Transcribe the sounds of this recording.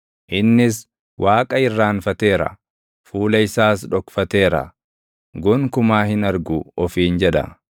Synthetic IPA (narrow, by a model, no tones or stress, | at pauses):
ʔɪnːɪs | wʔaːkʼɐɪrːaːnfɐt̪e̞ːɾɐ̰ | fuːlɐɪsaːsᶑɔkfɐt̪e̞ːɾɐ̰ | ɡɔŋkʊmaːhɪnɐɾɡʊɔfiːnd͡ʒɛᶑɐ̰